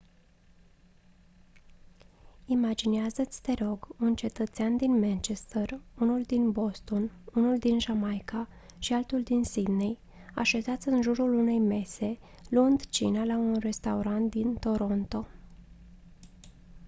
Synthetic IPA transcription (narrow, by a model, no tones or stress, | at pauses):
imad͡ʒineazət̪sʲt̪e̞ɾo̞ɡunt͡ʃe̞t̪ət̪seand̪inmant͡ʃest̪ərunuld̪inbo̞st̪o̞nunuld̪inʒamajka | ʃialt̪uld̪insid̪nej | a̰ʃe̞zat̪sʲɨnʒuɾulune̞jme̞se̞ | luɨnd̪t͡ʃḭnalaunre̞st̪auɾant̪̚d̪int̪o̞ɾo̞nt̪o̞